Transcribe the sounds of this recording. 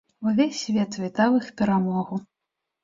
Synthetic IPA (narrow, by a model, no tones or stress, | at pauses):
uvʲesʲːvʲɛt̪ʲvʲɛt̪avɨxpʲɛɾamɔɣu